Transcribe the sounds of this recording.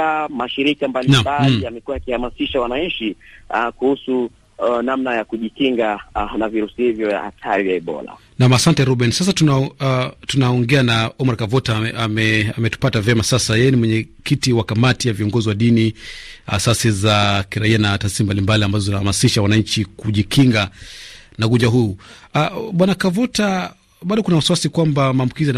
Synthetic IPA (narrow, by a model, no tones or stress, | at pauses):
amaʃiɾikambalinambaliamɛkuwajakihamasiʃawanaɲ̩t͡ʃikuhusu | namnajakuʄikiŋɡanaviɾusihivjɔja̰ha̰tʰaɾivjaɛɓɔ̰la̰ | namasantɛɾuɓɛnsas̬atunatunaɔŋɡɛanaɔmaɾkavɔtaamɛamɛtu̥patavɛmasasajɛjɛnimwɛɲɛkitiwakamatijaviɔŋɡɔziwaɗinia̰sasizakiɾaianataːsisimbalimbaliambazɔzinahamasiʃawanaɲt͡ʃikuʄikʰiŋɡa | naɡud͡ʒaɦuu | ɓwanakavɔta | ɓaɗɔkunawasuwasikwambamaːmbukizian